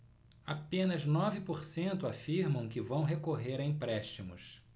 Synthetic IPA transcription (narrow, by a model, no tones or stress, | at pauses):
apẽnɐznɔvɪpoɾsẽnt̪ʊafiɾmɐ̃w̃kɪvɐ̃w̃ɦekoɦeɾɐĩpɾɛʃt͡ʃimʊ̰s